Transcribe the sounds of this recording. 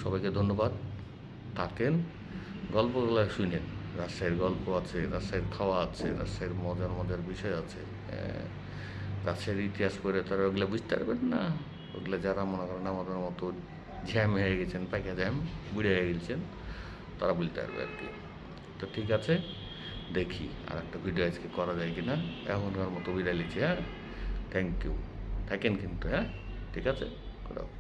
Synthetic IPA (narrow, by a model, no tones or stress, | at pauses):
ʃɔbajked̪ʱonːobad̪ | t̪ʰːaken | ɡɔlpokɔlaʃunenɾaʃajɾɡɔlpoat͡ɕʰeɾaʃajɾkʰaoaat͡ɕʰeɾa̰ʃajɾmɔd͡ʑaɾmɔd̪ʱeɾbiʃɔeat͡ɕʰḛ | ɾaʃaɾit̪iɦaʃkoɾet̪aɾaoɡilebud͡ʑʱt̪a̰ɾbenːa | o̰ɡlad͡ʑaɾamonekɔɾenamad̪eɾmɔt̪o | d͡ʑɛmɦeeɡɛt͡ɕʰenpajkʰad͡ʑɛmbuɽaɦeɡelt͡ʃʰen | t̪aɾabult̪a̰ɾbḛa̰ɾkḭ | t̪ɔʈʰikat͡ʃʰe | d̪ekʰḭ | a̰ɾɛk̚ʈabʱiɖioad͡ʒkekɔɾad͡ʒajkinaɛ̰kunkaɾmɔt̪ɔbidalit͡ɕʰiɦɛ̃ | t̪ʰɛŋkjṵt̪ʰakenkint̪uɦɛ̃ | ʈʰikat͡ʃʰekuda̰